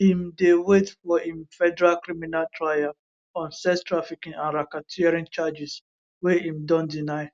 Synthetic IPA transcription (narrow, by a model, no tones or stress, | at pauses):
himdewetfɔĩmfɛdɛɾalkɾiminaltɹaja | ɔ̃nsɛstɾafikĩŋãnɾakatʰiɾĩnt͡ʃad͡ʒis | weĩmdɔ̃ndinaɪ